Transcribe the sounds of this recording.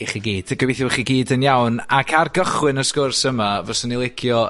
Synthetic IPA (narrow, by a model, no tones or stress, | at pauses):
iχiɡiːd̥ɡ̥əwɪθjɔwχiɡiːdənjawnakʰarɡəχwɪnəskʊrsəmavɔsənilˠɪkʰjɔ